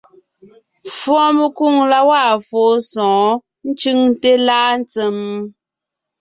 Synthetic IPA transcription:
fwɔ̃˦mə˨ku˦˨ŋla˦wa˦˨fo˨˦sɔ̃ː˨˦ | n̩˦t͡ʃʉ˦ŋte˦laː˦n˦t͡se˨m

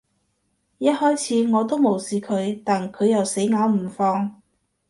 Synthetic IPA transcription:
jɐ˥t̚hɔː˥jt͡sʰiː˨˧˥ŋɔː˨˧t̪o˥wmo˨˩wsiː˨kʰɵ˨˧ɥt̪aː˨nkʰɵ˨˧ɥjɐ˨wse˨˥jŋaː˨˧wm̩˨˩fɔː˧ŋ

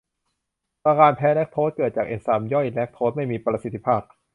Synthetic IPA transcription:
kaː˧kaː˧npʰɛː˦˥lɛ˦˥k̚t̪ʰoː˦˥t̪̚kɤː˨˩t̪̚t͡ɕaː˨˩k̚ʔeː˧˩saː˨˩˦mjɔ˥˩jlɛ˦˥k̚t̪ʰo˦˥t̪̚ma˥˩jmiː˧pɾa˧si˧˦t̪ʰːi˧˥pʰaː˥˩p̚

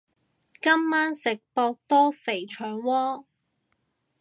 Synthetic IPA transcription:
kɐ˥mːaː˥nsɪ˨k̚pɔː˧k̚t̪ɔː˥fe˨˩jt͡ʃʰœː˨˩ŋwɔː˥

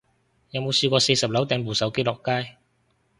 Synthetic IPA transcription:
jɐ˨˧wmo˨˧wsiː˧kʷɔː˧se˧jsɐ˨p̚lɐ˨˥wt̪ɛː˧ŋpuː˨˩sɐ˨˥wke˥jlɔː˨˩kːaː˥j

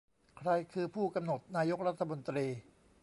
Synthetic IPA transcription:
kʰɾa˧jkʰɯː˧pʰuː˥˩ka˧mno˨˩t̪̚naː˧jo˦˥k̚ɾa˦˥t̪ʰːa˧mo˧nt̪ɾiː˧

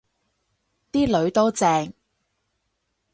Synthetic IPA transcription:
t̪iː˥lɵ˨˧˥ɥt̪o˥wt͡sɛː˧ŋ

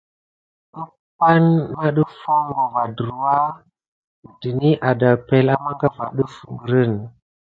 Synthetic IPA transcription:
ɗə˦ | pa˦nma˦ɗə˦fo˦ŋɡo˨va˨də˨ɾu˨wa˦˨ | di˨ni˦ʔa˨da˨pe˨la˦ma˦ŋɡa˦va̰˨ɗə˦fu˨ŋɡə˨ɾə˦˨n

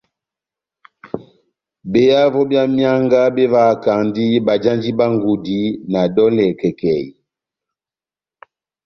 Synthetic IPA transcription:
be˨ja˦vɔ˦bja˦mja˦ŋɡa˦be˦va˨ka˨ŋndi˦ba˨d͡ʒa˦nd͡ʒi˦ba˦ŋɡu˨di˦na˨dɔ˦lɛ˨kɛ˨kɛ˨

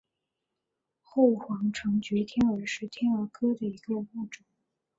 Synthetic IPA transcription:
xo˥˩ʊxwɑ˧˥ŋʈ͡ʂʰɤ˧˥ŋt͡ɕɛ˧˥t̪ʰjɛ˥nə˧˥ʂɻ̩˥˩t̪ʰjɛ˥nə˞˧˥kʰɤ˥d̪ə˨i˧˥ɡə˧u˥˩ʈ͡ʂʊ˨˦

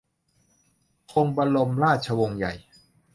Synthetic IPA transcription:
kʰo˧ŋba˧lo˧mlaː˥˩t̪̚t͡ɕʰa˧wo˧ŋja̰˨˩j

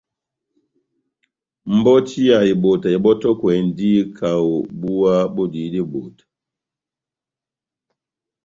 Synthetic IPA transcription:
m̩˦bɔ˦ti˦a˨i˨bo˨ta˨i˨ɓɔ˦tɔ˦kwɛ˨n˨di˦kʰa˨o˨bu˦wa˦bɔ˦di˨˦di˦bo˨tḁ˨

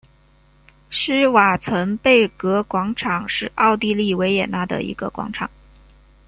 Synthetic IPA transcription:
ʂɻ̩˥wa˨˩t͡sʰwə˧˥npe˥˩ɪkɤ˧˥kwɑ˧˥ŋʈ͡ʂʰɑ˨˩ŋʂɻ̩˥˧ɑ˥˧ʊt̪i˥˧li˥˩we˧˥ɪjɛ˨˩na˥˩d̪ə̰˨˩ḭ˧˥ɡə̰˧kwɑ̰˧˥ŋʈ͡ʂʰɑ̰˨˩˦ŋ

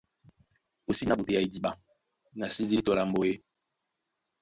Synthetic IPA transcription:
o˨si˦na˦ɓo˨te˨ja˦i˦di˨ɓa˦ | na˨si˦di˦i˦tɔ˨la˨m˦bo˦je˦

